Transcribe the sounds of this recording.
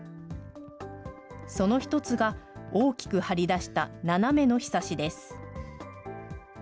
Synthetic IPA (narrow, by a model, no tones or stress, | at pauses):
so̞no̞çi̥t̪o̞t͡sɨɡao̞ːkʲi̥kɯ̟haɾʲid̪aɕi̥t̪ananame̞no̞çi̥saɕid̪e̞sɨ̥